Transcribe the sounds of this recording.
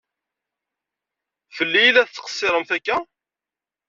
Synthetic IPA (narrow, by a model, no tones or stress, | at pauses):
fəlːijilːæθt͡sːə̥qə̥sˤːɪɾˤəmθækːæ